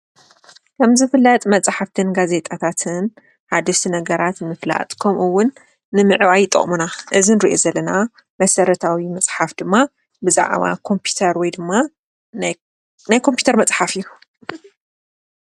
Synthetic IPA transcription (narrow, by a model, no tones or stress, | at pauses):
kʰɐmzɨfɨlːɐt̪ʼmɐt͡sʼħaft̪ʰɨnɡaze̞t̪ʼat̪ʰat̪ʰɨn | ħad̪ɐʃt̪ʰinɐɡɐɾat̪mɨfla̰t̪ʼkʰɐmʔɨwːʊnː | ɨmɨʕwajɪt̪ʼːɐ̰χʼmunaʔɨzinɾiʔo̞̰zɐlːɐna | mɐsɐɾɐt̪ʰawimɐt͡sʼħafd̪ɨmːa | bɨza̰ʕβa̰kʰo̞mpʰu̥t̪ʰɐɾwɔjd̪ɨmːa | najkʰo̞mpʰju̥t̪ʰɐɾmɐt͡sʼħafijːu